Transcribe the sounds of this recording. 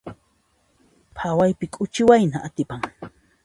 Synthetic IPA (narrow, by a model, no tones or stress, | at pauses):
pʰawajpɪkʼʊt͡ʃɪwajnaʔat̪ɪpaŋ